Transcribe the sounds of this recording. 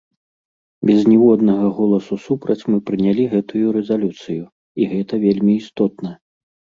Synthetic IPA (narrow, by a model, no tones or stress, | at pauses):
bʲɛznʲɛvɔd̪nɐɣɐɣɔlˠɐsusupɾɐt͡sʲmɨpɾɨnʲalʲiɣɛt̪ujuɾɛzalʲut̪sɨju | iɣɛt̪ɐvʲelʲmʲiːst̪ɔt̪̚nɐ